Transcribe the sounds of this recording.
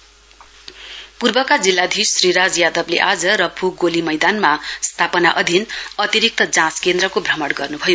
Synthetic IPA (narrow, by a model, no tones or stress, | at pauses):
purbʌkad͡zilːad̪ʱisːriɾad͡zjad̪ʌbleʔad͡zʌɾʌbʰʱuɡolimʌjd̪anmast̪ʰapʌnaʔʌd̪ʱinʌt̪iɾik̚t̪ʌd͡zãskend̪rʌkobʱrʌmʌɽɡʌrnubʱʌjo